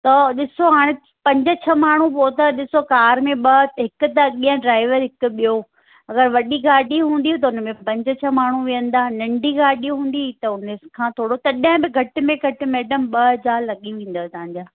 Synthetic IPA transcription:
t̪ɐɗɪsoɦaːɽ̃ɪ | pɐ̃ɲd͡ʑʊ̆t͡ɕʰɐmaːɳ̤ũpoːt̪aɗɪsokaːɾmẽɓɐɦɪkʊ̆t̪ɐɓiːãɖɾaːɪʋəɾɦɪkʊ̆ɓijo | ɐɡəɾʋɐɗiɡaːɗiɦũːnd̪iut̪̬ɐʊnəmẽpɐ̃ɲd͡ʑət͡ɕʰɐmaːɳ̤uʋijə̃nd̪aːnɐ̃ɳɖʱiɡaːɗiɦũːn̆d̪it̪ɐʊnəkʰãːt̪ʰoːɽot̪ɐɗə̃bɪɡʱɐʈɪ̆mẽɡʱɐʈɪ̆meːɖəmɓɐɦd͡ʑaːlɐɠiʋĩːn̆d̪oːt̪ɐãɲd͡ʑaː

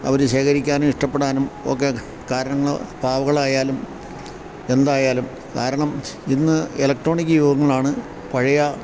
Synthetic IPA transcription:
ɐ̰ʋɐɾuɕe̞ːkɐɾikʲːaːnumiʂʈɐpːeɽaːnumo̰k̬ːe̞ | kaːɾɐnɐŋːɐɭɐpaːʋɐɣɐɭaːjaːlum | e̞nd̪aːjaːlum | kaːɾɐɳɐminːɨelɐkʈro̞ːɳikʲːɨjuːɡɐŋːɐɭaːɳɨ | pɐɻɐjɐ

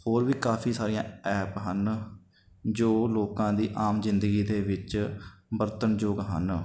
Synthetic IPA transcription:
hoːɾʋiːkaːpʰiːsaːɾijãːɛːpɦən | d͡ʒoːloːkãːd̪iːʔaːmzɪ̃nd̪əɡiːd̪eːʋɪt͡ʃbəɾt̪ənd͡ʒoːɡɦə̰n

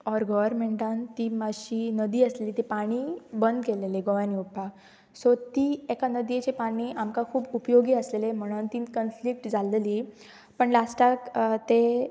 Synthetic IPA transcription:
ɔɾɡɔʋəɾmeɳʈant̪imaɕiːnəd̪iːəsleliːt̪epaɽ̃ibənd̪keleleɡoʋaniupa | sɔt̪iːekanəd̪jet͡ɕepaɽ̃iːʔamkakʰuːbupjoɡiːəslelem̤əɽ̃unt̪iːkənflik̚ʈd͡zaleli | pəɳlasʈakt̪e

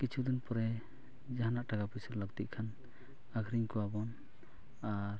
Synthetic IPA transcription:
kit͡ʃʰud̪ɔnpɔɾɛ | d͡ʒaɦanaʔʈaɡapusəlləɡ̚t̪iʔ̚kʰan | aɡʱɾiɲkɔwabɔn | aɾ

